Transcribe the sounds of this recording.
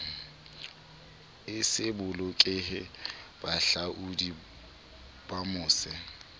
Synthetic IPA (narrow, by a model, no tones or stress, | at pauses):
ɪsɪbʊlʊkʼɪɦɪb̥aɬaʔudi | b̥amʊːsɪ